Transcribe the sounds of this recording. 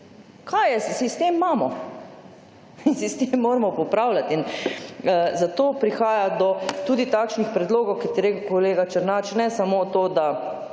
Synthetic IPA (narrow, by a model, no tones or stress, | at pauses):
kʰajɛsist̪eːmːaːmɔ | insist̪emːoːɾɛmɔpɔpɾawlat̪inəzat̪oːpɾixaːjad̪ɔt̪uːd̪it̪akʃnixpɾɛd̪loːɡɔwkit̪iɾekkoleːɡat͡ʃəɾnat͡ʃnɛsamot̪oːd̪a